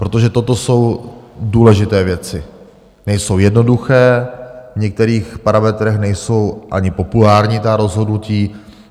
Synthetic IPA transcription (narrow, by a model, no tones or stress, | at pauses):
pɾot̪o̞ʒɛt̪o̞t̪o̞so̞wduːlɛʒɪt̪ɛːvjɛt͡sɪ | nɛjso̞wjɛdno̞duxɛːvɲɛk̚t̪ɛɾiːxpaɾamɛt̪ɾɛxnɛjso̞wʔaɲɪpo̞pulaːɾɲiːt̪aɾo̞zɦo̞dnuciː